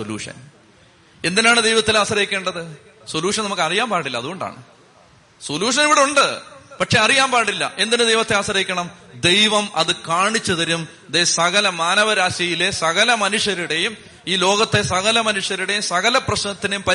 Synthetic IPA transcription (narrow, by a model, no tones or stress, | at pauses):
solṵːʂɐ̰n | e̞nd̪inaːɳɨd̪ejʋɐt̪ːilaːɕɐrɐjikʲːe̞ːɳɖɐðɨ | soluːʂɐnɐmukːɐrijaːmpaːɽilːɐðuɣo̞ɳɖa̰ːɳɨ̰ | soluːʂɐniʋiɽeuɳɖɨpɐʈʂe̞ɐrijaːmpaːɽilːɐ̰ʔe̞nd̪inɨd̪e̞jʋɐt̪ːe̞aːɕɐɾɐikʲːɐɳɐmd̪ejʋɐmɐðɨkaːɳit͡ɕːɐðɐɾum | d̪esɐɣɐlɐmaːnɐʋɐɾaːɕjɐjile̞sɐɣɐlɐmɐnuʂjɐɾiɽe̞jum | iːlo̞ːɣɐt̪ːe̞sɐɣɐlɐmɐnuʂjɐɾiɽe̞jumsɐɣɐlɐprɐɕnɐt̪ːine̞jumpɐ